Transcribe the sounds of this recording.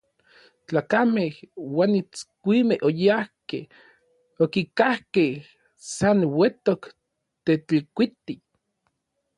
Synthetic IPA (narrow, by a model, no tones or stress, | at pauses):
t͡ɬaːkamehwaːnit͡skʷimehojahkḛh | okikahkeh | sanwet̪ok | t̪et͡ɬikʷit̪i